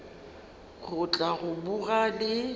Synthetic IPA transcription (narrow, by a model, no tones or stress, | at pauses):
ɣʊt͡ɬʼaɣʊbuɣalɪ